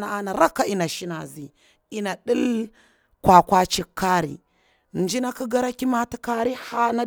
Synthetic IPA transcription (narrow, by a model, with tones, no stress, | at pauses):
na˨a˦na˨ɾa˦kːa˨i˦na˨ʃi˦na̰˨zi˨ | i˦na˨ɗi˦l | kwa˨kʷa˦t͡ʃi˦kʰːa˦ɾḭ˨ | n˨d͡ʒi˦na˦ku˦ɡa˦ɾa˦ki˦ma˦ti˦ka˦ɾi˦ha˦na˦